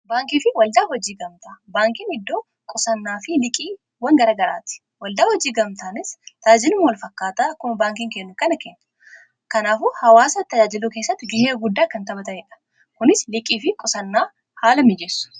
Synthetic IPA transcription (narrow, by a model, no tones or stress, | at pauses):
baːŋkiːfɪwɐld̪aːhɔd͡ʒiːɡɐmt̪abaːŋkɪnɪd̪ːo̞ː | kʼɔsɐnːaːfɪlɪkʼiː | wɐŋɡɐɾaːɡɐɾa̰ːt̪ɪ̥ | wɐld̪aːhɔd͡ʒiːɡɐmt̪aːnɪst̪aːd͡ʒɪnʊmwɐlfɐkːaːt̪aːkʊmbaːŋkɪŋkɛnːʊkɐnɐkɛnːɐ̥ | kɐnaːfʊhɐwaːsɐt̪ːɐd͡ʒaːd͡ʒɪluke̞ːsːɐt̪ːɪɡɪheːɡʊd̪ːaːkːɐnt̪ɐbɐt̪ɐeᶑɐ̥ | kʊnɪslɪkʼiːfɪkʼɔsɐnːaː | haːlɐmɪd͡ʒɛsːʊ̥